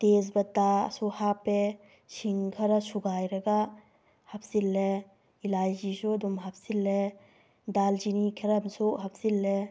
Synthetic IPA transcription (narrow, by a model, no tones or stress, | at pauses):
t̪es̬bɐt̪ːaɐ̰suhape | siŋkʰɐɾɐsuɡajɾɐɡa | hɐpʰsilːe | ilajd͡ʒisud̪umɦɐp̚ʰsilːe | dald͡ʒinikʰeɾɐmsuɦɐpʰsilːe